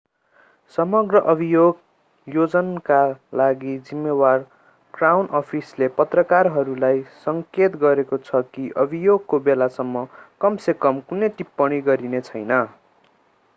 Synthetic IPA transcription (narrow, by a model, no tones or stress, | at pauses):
sʌmʌɡrʌʔʌbʱijoɡ | jod͡zʌnkalaɡid͡zimːewar | krawnʌpʰislepʌt̪rʌkarɦʌɾulajsʌŋket̪ɡʌɾekot͡sʰʌkiʔʌbʱijoɡ̚kobelasʌmːʌkʌmsekʌmkunejʈipːʌɽ̃iɡʌɾinet͡sʰʌjnʌ